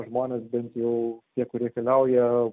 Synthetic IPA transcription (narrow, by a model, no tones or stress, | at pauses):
ʒmoːnʲɛːsbʲɛnt̪jɛʊt̪ʲiɛkʊrʲiɛkʲɛlʲɛʊjɛ